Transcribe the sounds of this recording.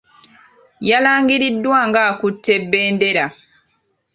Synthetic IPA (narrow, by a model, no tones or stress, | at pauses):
jalaːŋɡiɾidːwaːŋɡaːkutːe̞bːeːnde̞ɾa